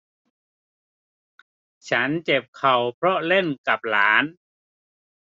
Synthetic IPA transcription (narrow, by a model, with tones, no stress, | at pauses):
t͡ɕʰa˦˥nt͡ɕe˨˩p̚kʰa˨˩wpʰɾɔ˦˥le˥˩nka˨˩p̚laː˩˦n